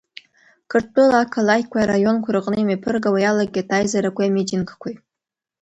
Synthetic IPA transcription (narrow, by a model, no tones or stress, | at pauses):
kʰɨrttʰʼɨlakʰalajkʷajaɾajo̞nkʷʰʊɾɨqʼnɨimapʰɨrɡawajalaɡ̚ɡʲatʰajzaɾakʷaamed͡ʒinɡkʷʰaj